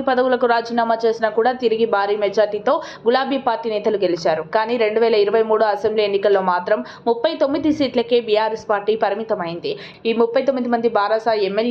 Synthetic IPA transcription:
ipɐd̪ɐwulɐkuɾaːd͡ʒiːnaːmaːt͡ʃe̞ːsinakuːɽaːt̪iɾiɡibʱaːɾiːmed͡ʒaːɾʈiːt̪o̞ː | ɡulaːbʱiːpaːɾʈːiːnɛːt̪ɐluɡe̞lit͡ʃaːɾukaːniːɾe̞ɳɖuʋɛːlɐiɾɐʋɐjmuːɽuɐsembliːenːikɐlːo̞ːmaːt̪ɾɐmːupːɐjt̪o̞mːid̪isiːʈlɐkeːbijaːɾespaːɾʈiːpɐɾɐmit̪ɐmɐjind̪i | iːmupːɐjt̪̬omːid̪imɐnd̪ibʱaːɾasaːiɛmːel

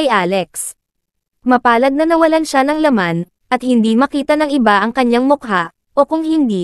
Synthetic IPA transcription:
ɐjʔaːlɛks | mɐpaːlɐɡ̚nɐnɐwɐlanʃanɐŋlɐman | ʔɐt̪̚hɪnd̪imɐkiːt̪ɐnɐŋʔɪbaʔɐŋkɐɲaŋmʊkɦa | ʔokʊŋhɪnd̪i

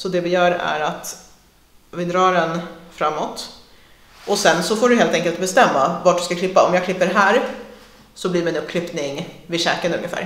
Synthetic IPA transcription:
sɔd̪ɛvɪjœːɾæ̰ɾat̪ | vɪd̪ɾɑːɾɛnfɾamːɔt̪ | ʔɔsɛnsɔfoːɖɵɦeːlt̪ɛŋkəlt̪̚bɛst̪ɛmːavaʈɖɵskakʰlɪpːaɔmjɑːkʰlɪpːəɾɦæːɾ | sɔbliːɾmɪnɵpːkʰɾɪpnɪŋvɪʂɛːkənɵŋːəfæ̰ːɾ

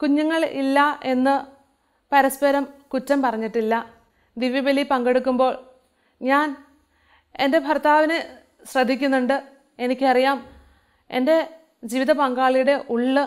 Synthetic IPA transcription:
kuɲːɐŋːɐɭḭlːɐe̞nːɨ | pɐɾɐspɐɾɐmkutːɐmpɐrɐɲːiʈːilːɐ | d̪iʋɐbɐlipɐŋɡe̞ɽukːumbo̞ːɭ | ɲaːn | e̞nde̞bʱɐrt̪aːʋine | ɕrɐd̪ʱːikʲːunːuɳɖɨ | e̞nikʲːɨɐrijaːm | e̞nde̞ | d͡ʑiːʋiðɐpɐŋɡaːɭijuɽe̞ʔuɭːɨ

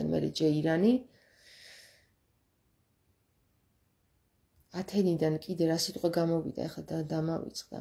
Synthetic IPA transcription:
anmɛ̰ɾɛ̰d͡ʒɛiɾani | at̪ʰɛnid̪ankʼid̪ɛɾasit̪ʼqʼwɛɡamɔvḭd̪a̰ɛχlaad̪amavḭt̪sʼqʼd̪a̰

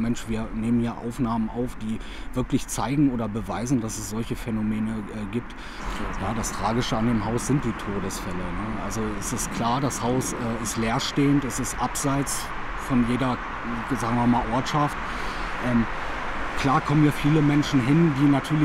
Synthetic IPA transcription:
mɛnʃv̥iːɐneːmənhiːɐʔa̰ʊfnaːmənʔaʊfd̥iː | v̥ɪɐklɪçt͡saɪɡŋ̩ʔoːɾɐbəvaɪzn̩dasɛsz̥ɔlçəfɛnomeːnəʔɛːɡiːp̚t | jaːdastʁ̥aːɡɪʃəandeːmɦaʊsz̥ɪnt̚d̥iːtʰoːdəsfɛlənəʔalzoɛsɪstkʰl̥aːɐdashaʊsʔɛːɪstleːɐʃteːəntɛsɪstʔapz̥aɪt͡s | fɔnjeːɾɐ | zaːɡŋ̩viɐmaːlʔɔɐtʃaft | ʔɛːm | kʰl̥aːɐkʰɔməniːɐfiːləmɛnʃn̩ɦɪndiːnatʰyːɐlɪ

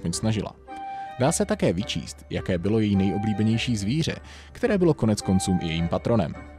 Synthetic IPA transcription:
poɲsnaʒɪla̰daːsɛt̪akɛːvɪt͡ʃḭːst̪jakɛːbɪlo̞jɛjiːnɛjʔo̞bliːbɛɲɛjʃiːzviːr̝ɛ̰ | kt̪ɛɾɛːbɪlo̞ko̞nɛt͡sko̞nt͡suːmʔɪ̰jɛjiːmpat̪ɾo̞nɛ̰m

